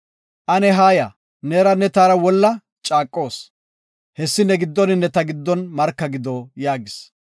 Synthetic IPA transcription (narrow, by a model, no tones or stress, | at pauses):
ʔɐnɛɦaːjɐ | neːɾɐnɛt̪aːɾɐwɔlːɐ | t͡ʃʼaːkʼːo̞ːs | hɛsːɪnːɛɡɪd̪ːɔnɪnːɛt̪ɐɡɪd̪ːɔnmɐɾkːɐɡɪd̪oːjaːɡɪs